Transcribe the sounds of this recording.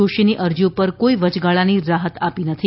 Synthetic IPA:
oʃiniʔəɾd͡ʒũpəɾkoiʋət͡ʃɡaɭaniɾaɦət̪apinət̪ʰi

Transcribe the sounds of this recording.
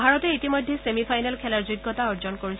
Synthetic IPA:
bʱaɹɔteitimɔjd̪ʱːesemipʰajnalkʰɛlaɹziɡːɔtaɔɹd͡ʒɔnkoɹis

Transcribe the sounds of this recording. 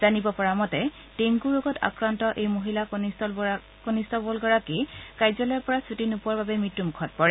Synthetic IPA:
z̥anibɔpɔɹamɔtɛ | teŋkuɹoɡɔtʰa̰kɹantɔʔejmoɦilakonisɔ | konistɔbɔlɡɔɹakikajzɔlɔɔɹpɔɹasutinupuwaɹbabɛmitːumkʰɔt̚pɔɹɛ

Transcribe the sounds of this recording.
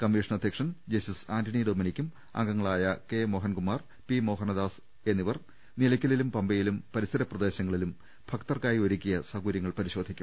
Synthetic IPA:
kɐmːiʂɐnɐd̪ʱjɐkʂɐnd͡ʑɐsisaːndʰɐɳiɖoːminikʲːum | a̰ŋɡɐŋːɐɭaːjɐke̞mo̞ːɦɐnkumːaːr | pimo̞ːɦɐnɐd̪aːs | e̞nːiʋɐr | nilɐkʲːɐlilumpɐmbɐjilumpɐɾisɐɾɐprɐd̪e̞ːɕɐŋːɐɭilum | fʰɐkt̪ɐrkaːjioɾukʲːijɐsɐɣuɾjɐŋːɐɭpɐɾiɕo̞ːd̪ʱikʲːum

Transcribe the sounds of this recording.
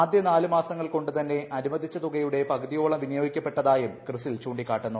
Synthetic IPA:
aːd̪jɐnaːlɨmaːsɐŋːɐɭko̞ɳɖɨt̪ɐnːe̞ʔɐɾimɐd̪ʱit͡ɕːɐt̪uɣɐjuɽe̞pɐɣɐðijo̞ːɭɐmʋinjo̞ːɡikʲːɐpːe̞ʈːɐðaːjumkrɨsilt͡ɕuːɳɖikːaːʈːenːu

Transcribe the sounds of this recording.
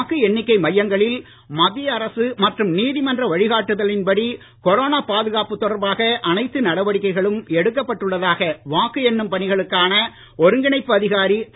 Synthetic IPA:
kɯɛɳːɪkːɐɪmɐjːɐŋɡɐɭɪl | mɐðɪjɐːɾɐsɯmɐʈrɯmniːðɪmɐndrɐʋɐɻɪɣaːʈːɯðɐlɪnpɐɽi | kɔɾoːnaːpaːðɯɣaːpɯt̪ːɔɽɐɾbaːɣɐʔɐnɐɪt̪ːɯnɐɽɐʋɐɽɪkːɐɪɣɐɭɯmɛɽɯkːɐpːɐʈːɯɭːɐðaːɣɐʋaːkɯɛnːɯmpɐɳɪɣɐɭɯkːaːnɐ | ɔɾɯŋɡɪɳɐɪpːɯɐðɪɣaːɾi

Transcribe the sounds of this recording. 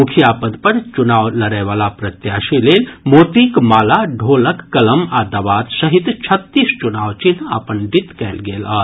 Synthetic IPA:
ukʰijapəd̪pəɾt͡ʃunaːʋlɐɾɛʋaːlapɾɐt̪jaːʃileːlmoːt̪iːkmaːlaɖʱoːləkːɐləmaːd̪aʋaːt̪sɐɦit̪t͡ʃʰɐt̪ːiːst͡ʃunaːʋt͡ʃina̰pəɳɖit̪kɛːlɡeːla̰ː

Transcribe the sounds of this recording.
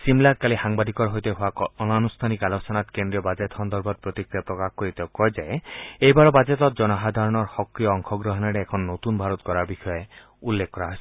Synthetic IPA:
simlat̪kalihaŋbad̪ʱikɔɾɦojt̪eɦoaɔnanust̪ʰanikalosɔnat̪kend̪ɾiɔbad͡ʒet̪hɔnd̪ɔɾbɔt̪̚pɾot̪ikɾiapɾɔkakkoɾit̪ekɔjd͡ʒaeejbaɾɔbad͡ʒet̪ɔt̪̚d͡ʒɔnɔɦad̪ʱaɾɔɽ̃ɔɾhɔkɾiɔɔŋkʰɔɡɾɔɦɔnaɾeːkʰɔnɔnot̪unbʱaɾɔt̪kɔɾaɾbixɔje | ulːekʰkɔɾaɦɔjs

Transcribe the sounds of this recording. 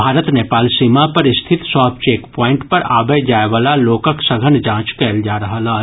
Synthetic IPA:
bʱaːɾət̪neːpaːlsiːmapɐɾɪst̪ʰɪt̪sɔːp̚t͡ʃeːkpɔ̃ːɪ̃ɳʈpɐɾaːbəjd͡ʒaːeʋaːlaloːkəksɐɡʱənd͡ʒãːt͡ʃkɛːld͡ʒaːɾɐɦalaː

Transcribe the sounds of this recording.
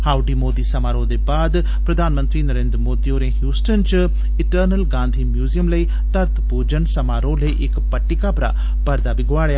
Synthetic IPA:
haːʊɖiːmoːd̪iːsɐmaːɾõːd̪eːbaːd̪ | pɾəd̪ʱaːnmə̃nt̪ɾiːnəɾẽːnd̪ɾəmoːd̪ioːɾẽːɦjuːsʈənt͡ʃ | ɪʈəɾnəlɡãːnd̪ʱiːmjuːzijəmləiː | t̪əɾt̪ʰpud͡ʒənsəmaːɾõːləiʔɪkpəʈːɪkapɾa̰ː | pəɾd̪aːbiɡʱʊaːɽejaː

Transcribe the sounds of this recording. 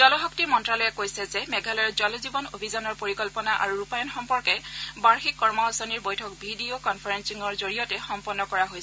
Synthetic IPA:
zɔlɔxɔk̚timɔntɹalɔjɛkojsɛzɛmɛɡʱalɛɹzɔlɔzibɔnobʱizɔnɔɹpoɹikɔlpɔnaʔa̰ɹuɹupajɔnxɔmpɔɹkɛbaɹxikːɔɹmɔɔsɔniɹbojtʰɔkbʱidiokɔnpʰaɹɛnsiŋɔɹzoɹijɔtɛxɔmpɔnːɔkɔɹaɦojsɛ

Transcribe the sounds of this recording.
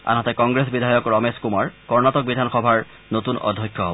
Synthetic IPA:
a̰nɦɔtɛkɔŋɡɹesbidʱajɔkɹɔmeskumaɹkɔɹnatɔk̚bidʱanxɔbʱaɹ | notunɔ̰dʱːɔjkʰːjɔɦobɔ

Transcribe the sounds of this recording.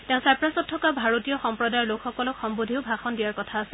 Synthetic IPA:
teʊ̃sajpɹasɔtʰːɔkabʱaɹotijɔxɔmpɹɔdajɔɹlokxɔkɔlɔkxɔmbodʱiʊbʱaxɔndijaɹkɔtʰaːsɛ

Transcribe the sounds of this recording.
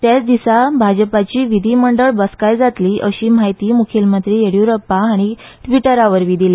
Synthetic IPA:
t̪jat͡sd̪isabʱad͡ʑəpat͡ɕiːʋid̪ʱiːməɳɖəɭbəskajd͡zat̪liːʔəɕiːmajt̪iːmukʰelmənt̪ɾiːeɽjuɾəpaːɽ̃i | ʈʋiʈəɾaʋəɾʋid̪ʱile

